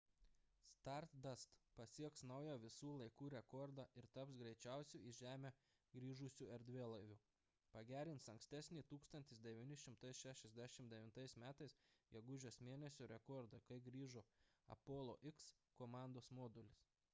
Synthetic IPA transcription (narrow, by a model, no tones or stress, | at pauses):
st̪ɑˑɾt̪d̪ɐst̪pɐsʲiɛksnɐʊjæːʋʲɪsuːlˠɐɪkuːɾʲɛkɔɾd̪ɑʔɪɾt̪ɐpsɡɾʲɛɪt͡ʃʲæˑʊsʲuːɪʒʲæːmʲeː | ɡɾʲiːʒʊsʲuːɛɾʲd̪ʲʋʲeːlˠɐɪʋʲuː | pɐɡʲæːɾʲɪntsɐŋksʲt̪ʲæsʲnʲiːt̪uːkst̪ɐnʲt̪ʲɪsd̪ʲɛʋʲiːnʲɪʃʲɪmt̪ɐɪsʃʲæʃʲɛzʲd̪ʲæʃʲɪmd̪ʲɛʋʲɪnt̪ɐɪsmʲæːt̪ɐɪsjʲɛɡʊʒʲoːsmʲeːnʲɛsʲʊɾʲɛkɔːɾd̪ɐkɐɪɡɾʲiːʒoːɐ̰poːlˠo̰ːʔɪks | koːmɑˑnd̪oːsmoːd̪ʊlʲɪs